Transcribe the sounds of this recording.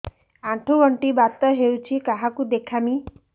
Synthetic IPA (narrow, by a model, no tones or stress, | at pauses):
ãʈʰoʋəɳʈibat̪ːɔɦewt͡ʃʰikaɦakud̪ekʰami